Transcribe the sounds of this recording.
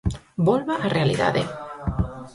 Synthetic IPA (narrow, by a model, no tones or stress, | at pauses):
bolβaʔarealḭða̰ðḛ